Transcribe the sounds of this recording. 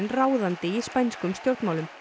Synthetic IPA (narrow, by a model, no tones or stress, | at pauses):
nraːwðant̪ɪispajnskʏmsk̪jowɾt̪maːwlʏm